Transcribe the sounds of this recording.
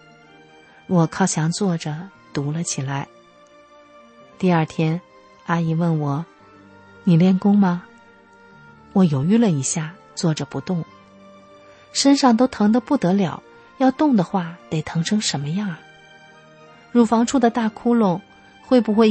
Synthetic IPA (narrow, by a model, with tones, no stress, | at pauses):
wɔ˨˩kʰɑ˥˩ʊt͡ɕʰjɑ˧˥ŋt͡swɔ˥˩ʈ͡ʂə˩ | t̪u˧˥lə˧t͡ɕʰi˨˩la˧˥ɪ | t̪i˥˧ɐ˞˥˩t̪ʰjɛ˥n | a˥i˥˩wə˥˩nwɔ˨˩ | ni˨˩ljɛ˥˩nkʊ˥ŋmɐ˧ | wɔ˨˧˩jo˨˩ʊy˥˩lə˨i˧˥ɕja˥˩ | t͡swɔ˥˩ʈ͡ʂə˨˩pu˧˥t̪ʊ˥˩ŋ | ʂə˥nʂɑ˥˩ŋt̪o˥ʊt̪ʰɤ˧˥ŋd̪ə˧pu˥˩t̪ɤ˧˥ljɑ˨˩˦ʊ | jɑ˥˧ʊt̪ʊ˥˩ŋd̪ə˩xwa˥˩t̪e˨˩ɪt̪ʰɤ˧˥ŋʈ͡ʂʰɤ˥ŋʂə˧˥nmə˧jɑ˥˩ŋ | ɻu˧˥˩fɑ˧˥ŋʈ͡ʂʰu˥˩d̪ə˩t̪a˥˩kʰu˥lʊ˥˩ŋ | xwe˥˩ɪpu˧˩xwe˥˩ɪ